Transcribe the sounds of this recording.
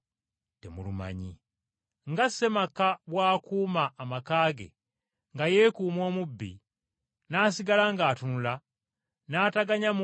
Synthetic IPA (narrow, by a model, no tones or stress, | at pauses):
te̞muluma̰ɲḭ | ŋɡasːe̞makaβwaːkuːmaːmakaːɡe̞̰ | ŋɡaje̞ːkuːmo̞ːmubːḭ | naːsiɡalaŋɡaːtunula | naːtaɡaɲam